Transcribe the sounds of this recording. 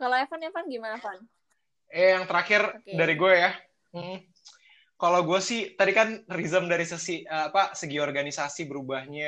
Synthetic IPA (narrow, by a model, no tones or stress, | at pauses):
kaloafanjafanɡimanapan | jajaŋt̪əɾakɪrdaɾiɡuaja | m̩m̩ | kalawɡuasɪht̪adikanrizəmdaɾisəsiəapasəɡiɔrɡanisasibəɾubahɲa